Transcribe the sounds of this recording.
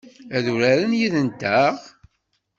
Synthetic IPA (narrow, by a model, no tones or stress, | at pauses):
æðuɾæɾənjiðənt̪æʁ